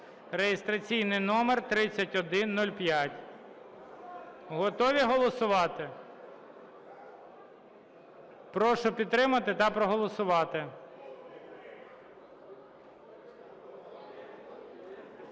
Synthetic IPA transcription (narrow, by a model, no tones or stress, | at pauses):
ɾejɪst̪ɾɐt͡sʲijnɪjnɔmert̪ɾɪt͡sʲːɐtʲɔd̪ɪnːɔlʲpjatʲ | ɦɔt̪ɔʋʲiɦɔlˠɔsʊʋɑt̪ɪ | pɾɔʃʊpʲid̪̚t̪ɾɪmɐt̪ɪt̪ɐpɾɔɦɔlˠɔsʊʋɑt̪ɪ